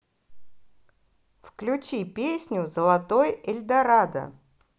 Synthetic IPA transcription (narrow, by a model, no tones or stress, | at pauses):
fklʲʊt͡ɕipʲesʲnʲʊzəlˠɐt̪ojɪlʲd̪ɐɾad̪ə̰